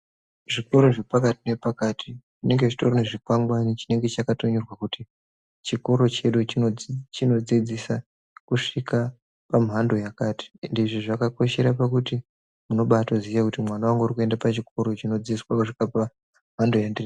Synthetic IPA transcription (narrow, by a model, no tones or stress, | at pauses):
ʐikoɾoʐe̞pakatine̞pakaːtʰiʐine̞ŋɡet͡ʃi̥toɾoneʐikwaŋɡwanit͡ʃine̞ŋɡe̞t͡ʃakatoɲurwakuti | t͡ʃikoɾo̞t͡ʃe̞ɗut͡ʃiot͡ʃino̞d͡zid͡zisa | kuʂika | pamuɦando̞jakaːtʰi̥ndiʐiʐakako̞ʃe̞ɾapakuti | muno̞ɓatozijakutimwanawaŋɡeurikue̞ndapat͡ʃikoɾo̞t͡ʃino̞d͡ziswakuʂikapa | mɦando̞jandiri